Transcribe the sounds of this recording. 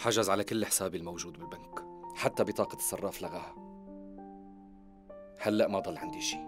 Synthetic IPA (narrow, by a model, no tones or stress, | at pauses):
ħaʒazʕalakɪlːɪħsaːbɪlmawʒuːd̪̚bɪlbankħat̪ːabɪt̪ˤɑːqɑ̥sˤːɑrˤːɑːflaɣaha | halːaʔmad̪ˤɑlːʕa̰nd̪iʃiː